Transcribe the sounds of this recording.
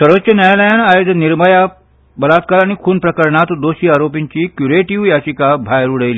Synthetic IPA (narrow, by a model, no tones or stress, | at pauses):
səɾʋət̪ːɕjənjajləjanajod̪əniɾməja | bəlat̪̚kaɾaɽ̃ikʰuːnpɾəkəɾɳat̪d̪oɕiːaɾopiɲt͡ɕiːkjuɾeʈiʋjaɕikabʱajɾuɽəjliː